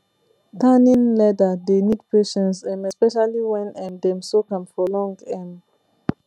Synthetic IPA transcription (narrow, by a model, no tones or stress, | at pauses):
tanĩnlɛdədenid̚peʃɛ̃nsɛ̃mɛspɛʃaliwɛ̃nɛ̃ndɛ̃msokãmfɔlɔ̃ŋɡɛ̃m